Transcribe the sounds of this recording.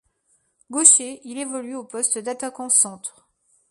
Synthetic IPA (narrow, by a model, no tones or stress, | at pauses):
ɡoʃeilevɔlyopɔst̪d̪at̪akɑ̃sɑ̃t̪χ